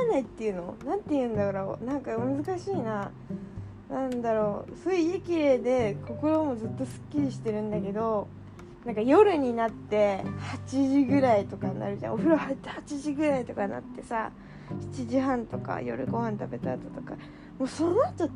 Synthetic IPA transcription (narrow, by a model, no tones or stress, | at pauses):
nait̪ːe̞jɯ̟no̞nãnt̪ːejɯ̟̃nd̪akaɾao̰nãŋkamɯzɨkaɕiːna | nãnd̪aɾo̞ːsoɯikʲiɾe̞ːd̪e̞ko̞ko̞ɾo̞ːmo̞zɨt̪ːo̞sɨ̥kʲːiɾʲiɕi̥t̪e̞ɾɯ̟̃nd̪ake̞d̪o̞ | nãŋkajo̞ɾɯ̟ɲ̟inat̪ːe̞hat͡ɕiʑiɡɯ̟ɾait̪o̞kanːa̰ɾɯ̟ʑã̰oɸɯ̟ɾahat̪ːhat͡ɕiʑiɡɯ̟ɾait̪o̞kana̰t̪ːe̞sa̰ | çi̥t͡ɕiʑiɦãnt̪o̞ka̰jo̞̰ɾɯ̟ɡo̞hãnt̪abe̞t̪aːt̪ot̪o̞ka̰ | moːsonoat̪o